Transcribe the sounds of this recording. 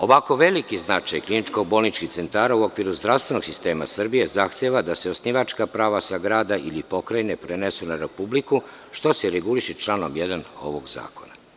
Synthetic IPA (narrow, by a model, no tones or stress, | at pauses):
o̞ʋako̞ʋe̞likiznat͡ʃajklinit͡ʃko̞ɡ̚bo̞lˠnit͡ʃkixt̪se̞nt̪aːɾauo̞kʋiɾuzd̪ɾaʋst̪ʋe̞no̞ɡsist̪e̞ːma̰sr̩bije̞zaxt̪eʋad̪aseo̞sniʋat͡ʃkapɾaːʋasaɡɾaːd̪aʔilipo̞kɾajne̞pɾenesunaɾe̞publiku | ʃt̪o̞seɾeɡuliʃit͡ʃlˠano̞mjed̪ano̞̰ʋo̞ɡza̰ːko̞na